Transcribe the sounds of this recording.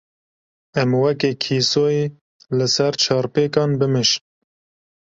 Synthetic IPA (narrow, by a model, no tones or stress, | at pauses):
ɛmwɛkeːkʰiːsoːjeː | lɨsɛɾt͡ʃʰɑːɾpeːkɑːnbɨmɨʃn